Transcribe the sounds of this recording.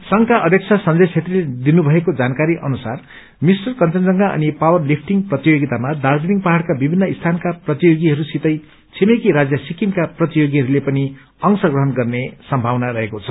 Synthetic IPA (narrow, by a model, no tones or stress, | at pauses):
sʌŋkaʔʌd̪ʱjʌk̚t͡sʰasʌnd͡zʌjt͡sʰet̪riled̪inubʱʌekod͡zankaɾiʔʌnusar | misʈʌrkʌnt͡sʌnd͡zʌŋɡaʔʌ̰nipawʌrlipʰʈiŋɡprʌt̪ijoɡit̪amad̪ard͡ziniŋpaɦaɽkabibʱinːʌist̪ʰankaprʌt̪ijoɡiɦʌɾusit̪ʌj | t͡sʰemekiɾad͡zjʌsikiŋkaprʌt̪ijoɡiɦʌɾulepʌni | ʌŋsʌɡrʌɦʌnɡʌrnesʌmbʱawnaɾʌɦekot͡sʰʌ